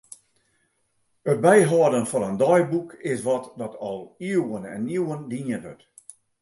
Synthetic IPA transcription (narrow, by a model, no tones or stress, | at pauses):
ət̚bɛjɦɔːdənfɔnəndɔjbukʰɪsʋɔtdɔtʰɔlˠiəwənɛ̰nːiwəndiənɦø̰t